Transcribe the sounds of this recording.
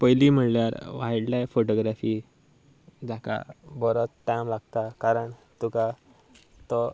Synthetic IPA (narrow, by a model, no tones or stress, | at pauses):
pəjlim̤əɳljaɾʋajɽljafoʈoɡɾafiː | d͡zaka̰bəɾot͡sʈajmlaɡt̪akaɾəɳt̪uka | t̪ɔ